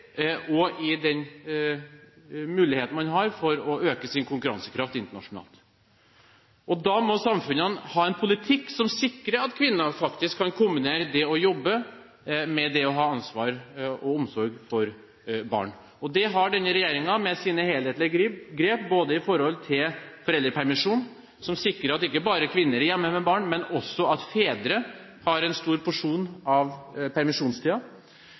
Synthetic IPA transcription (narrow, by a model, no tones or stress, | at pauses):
ʔɔɪd̪ɛn | mʉːlɪheːt̪n̩mɑnɦɑɾfɔɾɔøːkəsɪnkʰʊŋkʉɾɑ̰nsə̥kʰɾɑft̪ɪnt̪əɳɑ̰ʂʊnɑ̰ːlt̪ | ʔɔd̪ɑmɔsɑmfʉnənhɑːɛnpʰʊlɪt̪ʰɪkːsɔmsɪkːɾəɑt̪kʰʋɪnːɑfɑkt̪ɪskʰːɑnkʰʊmbɪneːɾəd̪ɛɔjɔbːə | mɛd̪ɛɔɦɑːɑnsʋɑːɾɔɔmsɔɾɡfɔɾ | bɑ̰ːɳ | ɔd̪ɛɦɑɖɛnːəɾɛjeːɾɪŋɑmɛsiːnəheːleːt̪lɪɡɡɾeːp̚boːd̪əɪfɔɾhɔlt̪ʰɪlfɔɾɛld̪ɾəpʰæɾmɪʂuːn | sɔmsɪkːɾəɾɑt̪ɪkːəbɑːɾəkʰʋɪnːəɾɛɾjɛmːəmɛbɑːɳmɛnɔsːɔɑt̪feːd̪ɾə | hɑɾɛnst̪uːɾpʰʊʂuːnɑʋpʰæɾmɪʂuːnst̪ʰiːɑ